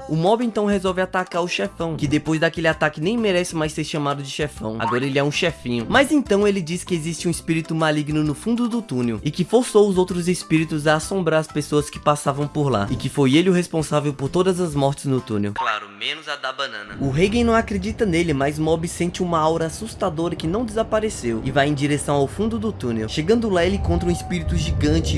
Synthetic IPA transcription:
ʊmɔbɪẽnt̪ɐ̃w̃ɦezɔwvɪat̪akaɾʊʃɛfɐ̃w̃kɪd̪epojzd̪akelɪat̪akɪnẽj̃meɾɛsɪmajseɾʃamad̪ʊd͡ʒɪʃɛfɐ̰̃w̃a̰ɡɔɾɐelɪɛũʃɛfĩɲʊmazẽnt̪ɐ̃w̃elɪd͡ʒiskɪezist͡ʃɪũɪspiɾit̪ʊmaliɡnʊnʊfũnd̪ʊd̪ʊt̪ũnewɪkɪfoɾsowʊzowt̪ɾʊzespiɾit̪ʊzaːsõmbɾaɾɐspesoɐskɪ̥pasavɐ̃w̃poɾla̰ɪkɪfojelɪʊhespõsavewpoɾt̪od̪ɐzɐzmɔɾt͡ʃɪznʊt̪ṵ̃nḛwklaɾʊmẽnʊzad̪abɐ̃nɐ̃nɐʊɦejɡẽj̃nɐ̃w̃akɾed͡ʒit̪ɐnelɪmazmɔbisẽt͡ʃɪũmɐawɾɐasust̪ad̪oɾɐkɪnɐ̃w̃d̪ɪzapaɾesewɪvajẽj̃d͡ʒiɾesɐ̃w̃awfũnd̪ʊd̪ʊt̪ũnewʃeɡɐ̃nd̪ʊlaelɪkõnt̪ɾũɪspiɾit̪ʊʒiɡɐ̃nt͡ʃɪ

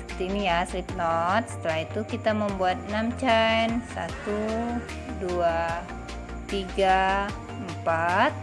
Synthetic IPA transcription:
ət̪iːnijaslip̚nɔt̪̚sə̥t̪əlahit̪ukit̪aməmbuat̪̚ənamt͡ʃajjnsa̰t̪u | dua | t̪iɡa | mpat̪̚

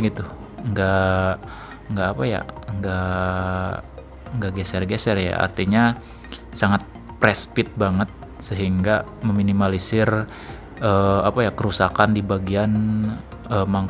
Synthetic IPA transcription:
ɡit̪u | əŋɡa | ŋɡaːpaja̰əŋɡaʔ | əŋɡaʔɡɛsɛrɡɛsɛrja̰a̰rt̪iɲa | saŋat̪̚ | pɾɛspɪt̪̚baŋət̪̚səɦiŋɡaməminimalisɪr | əapajakəɾusakandibaɡian | əmaŋ

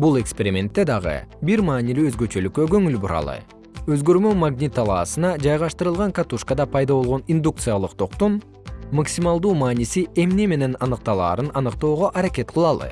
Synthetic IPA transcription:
bulˠe̞kspʲe̞ɾʲimʲe̞nt̪ːe̞d̪ɑʁɯ̰biɾmɑːnilyøzɡø̞t͡ʃø̞lykːøɡø̞ŋylbuɾɑ̰lˠɯ̰ | øzɡø̞ɾmømaɡnʲit̪ːɑlˠɑːsɯnɑd͡ʒɑjʁɑʃt̪ɯɾɯlˠʁɑŋkat̪uʃkad̪ɑpʰɑjd̪ɑβo̞lˠʁo̞nind̪uk̚t̪sɨjalˠɯq̚t̪ʰo̞qt̪un | maksimalˠd̪uːmaːnisie̞mne̞me̞ne̞nɑnɯq̚t̪ɑlˠɑ̰ːɾɯnɑnɯqt̪o̞ːʁoʔɑɾake̞t̪̚qʰɯlˠɑlˠɯ̰

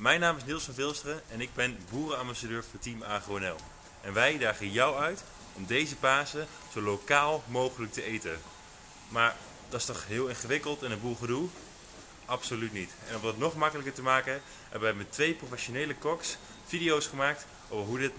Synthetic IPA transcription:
mɛjnaːmɪsnɪlˠsɔnvɪlˠstrəɛnɪɡ̚bɛnbuːrənɑmbasadøːɹfʊtimaːχowɛnɛlˠ | ɛnʋɛjdaːχəjɑwœɥt | ɔmdejzəpaːzə | z̥owlokaːlˠmowχələk̚təʔejtə | maːɹ | d̥ɑstɔχɦɪːlˠɪnχəʋɪkəlˠtɛnənbuːɹχədulˠ | ʔɑpsolytnitɛ̰nɔmdɑtnɔχmɑkələkəɹtəmaːkə | ɦɛbəʋɛjmɛtʋejprofɛʃonejləkɔks | fidijowsχəmaːk̚t | o̰wvəɹɦudɪt

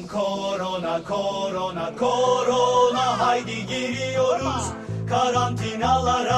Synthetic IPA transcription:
kʰoɾonakʰoɾonakʰoɾonaɦajd̪iɡiɾioɾa | kʰaɾãnt̪ʰinalaɾa

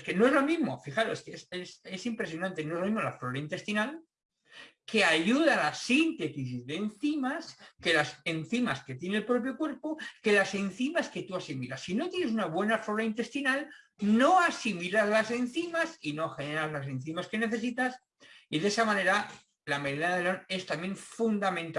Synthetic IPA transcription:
ske̞no̞ezlo̞mizmo̞fixaɾo̞skeesese̞simpɾe̞sjo̞nãnt̪e̞noe̞zloizmo̞lafloɾaint̪e̞st̪inal | ke̞aʎuð̞alasint̪e̞t̪isizðe̞nθimaske̞lase̞nθimaske̞t̪je̞nelpɾo̞p̬jo̞kwe̞ɾpoke̞lase̞n̟θimaske̞t̪uasimilasino̞t̪jene̞s̬unaβwe̞naflo̞ɾaint̪e̞st̪inal | no̞asimilazlase̞n̟θimasinoaxe̞neɾazlas̬e̞nθimaske̞ne̞θes̬it̪as | iðe̞samãne̞ɾa | lame̞ðenaðelone̞st̪amje̞ɱfund̪amẽ̞nt̪a

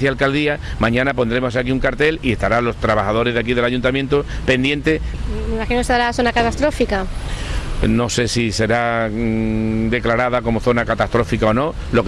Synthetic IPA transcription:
θjalkald̪iamãɲãnap̬o̞nd̪ɾe̞mo̞sakiuŋkaɾt̪e̞lie̞st̪aɾalo̞st̪ɾaβaxað̞o̞ɾe̞zðak̬iðelaʝunt̪amjent̪o | pe̞nd̪je̞nt̪ememaxinoeseðaɾaθonakat̪ast̪ɾo̞fika | no̞se̞sise̞ɾa | d̪e̞klaɾaðako̞mo̞θo̞nakat̪ast̪ɾo̞fikao̞no̞ | lo̞k

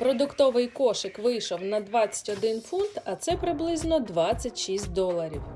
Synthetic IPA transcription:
pɾɔd̪ʊkt̪ɔʋɪjkɔʃɪkʋɪjʃɔwnɐd̪ʋɑt͡sʲɐ̥tʲɔd̪ɪnfunt̪ɐt̪sɛpɾɪblˠɪznɔd̪ʋɑt͡sʲːɐtʲʃisʲt̚ʲd̪ɔlˠɐɾʲiw

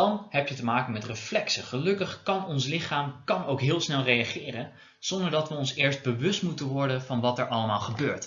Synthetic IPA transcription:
dɑnɦɛpjətəmaːkənmɛtrəflɛksəχəlɵkəχkɑnɔnslɪχaːmkɑnowkɦɪːlˠsnɛlˠrejaχɪːrən | z̥ɔndəɹdɑtʋəɔnsɪːɹsd̚bəʋɵstmutənʋɔɹdənvɑnʋɑtɛɹʔɑləmaːlˠχəbøːɹt

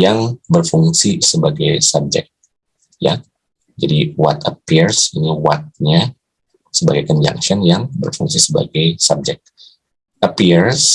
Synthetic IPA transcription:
jaŋbərfuŋsisəbaɡajsab̚d͡ʒɛ̰k̚t̪̚ | ja̰ | d͡ʒadiwa̰t̪əpirsiniwat̪̚ɲa | səbaɡajkɔɲd͡ʒa̰ŋʃɔnjaŋbə̰rfuŋsisəba̰ɡajsab̚d͡ʒɛk̪̚ | ʔəpirs

